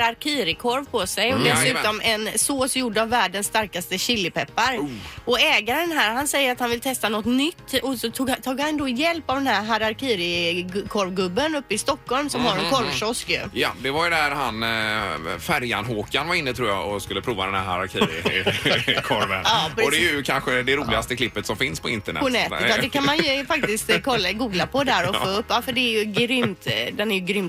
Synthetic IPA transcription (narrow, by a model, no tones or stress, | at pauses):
ɾaɾkʰiːɾɪkʰɔɾvpʰɔsɛjɔd̪ɛsʉ̟ːt̪ɔmʔɛnsoːsjuɖəavːæːɖənsːt̪aɾkast̪əɕɪlːɪpɛpːaɾɔɛːɡaɾɛnɦæːɾɦansɛjːəɾat̪hanvɪlt̪ʰɛst̪anɔt̪nʏt̪ːɔsɔt̪ʰuːɡt̪ʰuːɡhand̪ɔjɛlpavd̪ɛnɦæɾɦaɾaɾkʰiːɾɪkʰɔɾvɡɵbːənɵpːɪst̪ɔkʰːɔlmsɔmhaɾɛnkʰɔɾvʂɔskjɵ̰jɑ̰d̪ɛvaɾjəd̪æɾhan | fæɾjanɦoːkanvaɾɪnːət̪ʰɾuːja̰ɔskɵlːəpʰɾuːvad̪ɛnhæɾhaɾa̰ɾkʰiɾɪ̰ | kʰɔɾvə̰nɑpɾɔd̪ɛjɵkʰanɧəd̪ɛɾuːlɪast̪əkʰlɪpːət̪sɔmfɪnspʰɔɪnt̪əɳɛ̰pɔnɛːt̪ɔd̪ɛkʰanmanjjɵfak̚t̪ɪst̪kʰɔlːaɡuːɡlapʰɔd̪æɾɔfoːɵpːafœɖɛːɾjɵɡɾʏmmt̪d̪ɛnæjɵɡɾʏmt̪